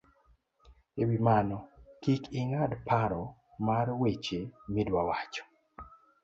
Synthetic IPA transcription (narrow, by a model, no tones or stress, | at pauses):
ewimanɔkikiŋadpaɾɔ | maɾwet͡ʃemidwawat͡ʃɔ̥